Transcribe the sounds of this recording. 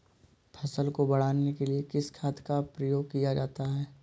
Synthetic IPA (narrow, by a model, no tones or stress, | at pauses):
pʰɐsəlkobɐɽ̤aːnekeliekɪskʰaːt̪kapɾɐjoːɡ̚kijad͡ʒaːt̪aɦɛː